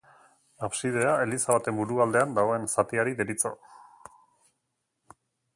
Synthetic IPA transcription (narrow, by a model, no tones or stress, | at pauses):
aβsið̞e̞ae̞lisaβat̪e̞mbuɾuald̪e̞and̪aɣo̞e̞nsat̪iaɾiðeɾit͡so̰